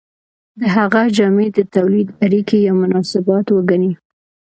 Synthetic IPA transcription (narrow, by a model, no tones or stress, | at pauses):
d̪əɦaɣad͡ʒɑmed̪ət̪awlid̪aɾikejawmʊnɑsɪbɑt̪wəɡani